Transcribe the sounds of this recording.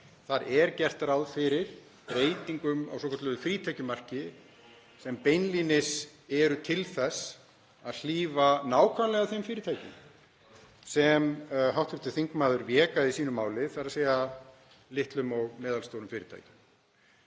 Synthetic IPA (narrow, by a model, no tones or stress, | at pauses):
θaɾɛɾcɛr̥t̪aɾawðfɪɾɪɾ̥ | pɾeːjt̪iŋkʏma̰wsɔːkʰɔ̥ɾt̪lʏðʏfɾiːt̪ʰajcʏmar̥cɪ | sɛmpejnliːnɪsɛɾʏt̪ʰɪlθɛsː | aðl̥iːvanaːwkʰvanlɛɣaðθejmfɪːɾɪ̥t̪ʰaːjcɪm | sɛmɦawht̪ɪht̪ɪθiŋkmaːðʏɾvjɛːkaðɪisiːnʏmːaːwlɪθaɾaseːjɣa | lɪht̪lʏmɔɣmɛːðalst̪owɾʏmfɪːɾɪ̥t̪ʰa̰jcʏ̥m